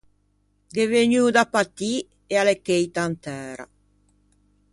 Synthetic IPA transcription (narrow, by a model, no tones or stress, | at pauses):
d̪eveɲud̪apat̪ːi | ealekːejt̪ant̪ɛːɾa̰